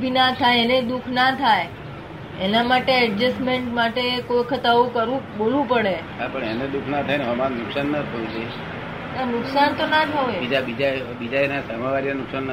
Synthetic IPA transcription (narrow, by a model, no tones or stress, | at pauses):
bʱinat̪ʰajened̪ukʰnat̪ʰaj | enamaʈeɛɖd͡ʒəsmeɳʈmaʈekojkʰət̪aʋokəɾũɓolũpəɽeɦapəɳened̪ukʰnat̪ʰajneɦəmaɾnʊksanːat̪ʰəũd͡ʒe | nanʊksant̪onat̪ʰəʋeid͡ʒabid͡ʒa | bid͡ʒaenasəmaʋaɾjənʊksanː